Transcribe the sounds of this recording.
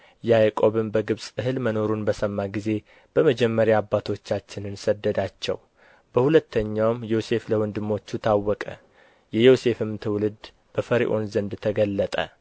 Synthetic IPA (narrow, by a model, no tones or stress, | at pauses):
jɛajkʼo̞βɨmbəɡɨβsʼɨɦɨlməno̞ɾunbəsəmːaɡize̞ | b̥əməd͡ʒɛmːəɾjaːbːat̪ʰo̞t͡ʃːat͡ʃːɪnɨnsəd̪ːəd̪at͡ʃːɛ̰w | b̥əhulət̪ʰːəɲːawmjose̞fləwɨnd̪ɨmːo̞t͡ʃːut̪ʰawːɔkʼə̰ | jɛjose̞fɨmt̪ʰɨwlɨd̪ | b̥əfəɾḭʔo̞nzənd̪t̪ʰəɡəlːət̪ʼə̰